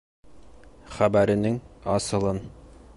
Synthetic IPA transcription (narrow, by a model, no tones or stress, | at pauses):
χæbæɾɘ̆nɘŋɑsɤ̆lˠɤn